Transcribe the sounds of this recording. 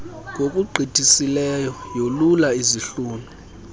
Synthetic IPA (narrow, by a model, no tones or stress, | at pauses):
ŋɡʱokʼuɡ͡ǃʱitʼisilɛjɔjolulaiziɬuːnʱu